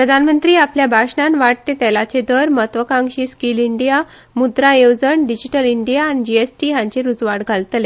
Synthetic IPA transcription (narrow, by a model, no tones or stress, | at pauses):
pɾəd̪ʱanmənt̪ɾiːapljabʱaɕɳanʋaʈ̚t̪et̪ɛlat͡ɕed̪əɾmət̪ʋəkãŋɡɕiːskiːliɳɖija | mud̪ɾaewd͡zəɳɖid͡ʑiʈəliɳɖijaːnid͡ʑiesʈiːɦãɲt͡ɕeɾud͡zʋaɽɡʱalt̪le